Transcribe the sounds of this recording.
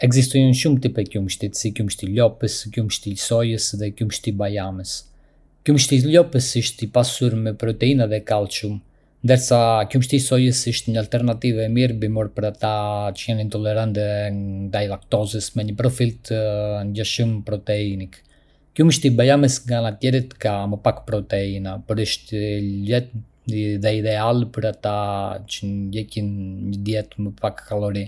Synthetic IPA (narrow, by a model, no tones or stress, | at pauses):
ɛɡzist̪ɔjnʃumt̪ipɛkjumʃt̪it̪sikjumʃt̪ilɔpəskjumʃt̪isɔjəsðɛkjumʃt̪ibajamɛs | kjumʃt̪ilɔpəsəʃt̪ipasuɾmɛpɾɔt̪ɛinaðɛkalˠʃum | nd̪əɾsakjumʃt̪isɔjəsəʃt̪ɲəalt̪ɛɾnat̪ivɛmiɾbimɔɾpəɾat̪at͡ʃəjɛnint̪ɔlɛɾant̪ɛd̪ajlak̚t̪ɔzəsmɛɲəpɾɔfilt̪əɲɟɛʃumpɾɔt̪ɛinik | kjuməʃt̪ibajamɛsŋɡanat̪jɛɾət̪kaməpakpɾɔt̪ɛinapɔɾiʃt̪ɛt̪ | ðɛid̪ɛalpəɾat̪at͡ʃənɟɛcinɲəd̪jɛt̪məpakkalɔɾi